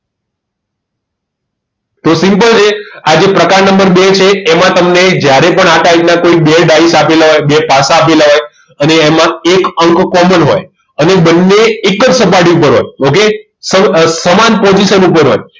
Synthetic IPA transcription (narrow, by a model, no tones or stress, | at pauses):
t̪osĩmpəlt͡ʃʰead͡ʒepɾəkaɾnəmbəɾbet͡ʃʰeːmãt̪əmned͡ʒjaɾepəɳaʈaiknãkoibeɖaisapelaɦojbepasãːpelaɦoj | əneːmãekəŋkkɔmənɦo̰j | ənebənːeːkːəd͡ʒsəpaɾʈiupəɾɦo̰joke | səsəmanpɔd͡ʒiʃənupəɾɦo̰j